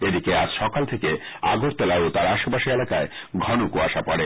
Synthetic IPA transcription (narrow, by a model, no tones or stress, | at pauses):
ed̪ikead͡ʑʃɔkalt̪ʰekea̰ɡoɾt̪elaot̪aɾaʃobaʃielakaeɡʱɔnokuaʃapɔɽe